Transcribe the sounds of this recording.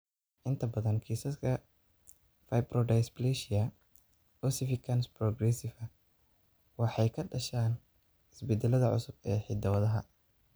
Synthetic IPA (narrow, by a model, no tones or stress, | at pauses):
ʔɪnt̪ʰɐbɐðɐnkʰiːsɐskʰɐ | fɐjbrɔɖɐjsplɛʃɪɐ | ɔsɪfɪkʰɐnsprɔɡrɛsɪfɐ | wɑħɑjkʰɐɖɐʃaːn | ɪsbɛd̪ɛlɐðɐʕʊ̰sʊbɛːħɪd̪ɐwɐðɐɦɐ̰